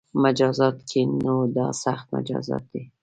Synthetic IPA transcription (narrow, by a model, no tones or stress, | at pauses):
mad͡ʒɑzɑt̪kʰenawd̪ɑsaxt̪̚ma̰d͡ʒɑ̰zɑ̰t̪̚d̪i